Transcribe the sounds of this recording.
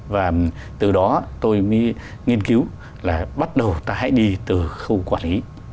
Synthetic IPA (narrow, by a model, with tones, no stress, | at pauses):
vaː˨˩ | t̪ɨ˨˩ɗɔ˨˦t̪o˧jmə˨˦ | ŋi˧ənki˨˦w | laː˨˩ɓa˦˥t̚ɗə˨˩wt̪aː˧ɦa̰˧˥jɗi˧t̪ɨ˨˩xə˧wkwaː˧˩nli˨˦